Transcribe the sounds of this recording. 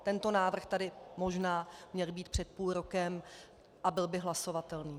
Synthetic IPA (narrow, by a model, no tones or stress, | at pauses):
t̪ɛnt̪o̞naːvr̩xt̪adɪmo̞ʒnaːmɲɛlbiːt̪̚pr̥ɛt̪̚puːlɾokɛm | ʔabɪlbɪɦlaso̞vat̪ɛlniː